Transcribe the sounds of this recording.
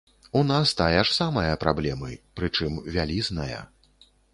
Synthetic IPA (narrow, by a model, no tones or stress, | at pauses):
unast̪ajɛʂsamɐjɐpɾablʲɛmɨpɾɨt͡ʂɨmvʲalʲiznɐjɐ̰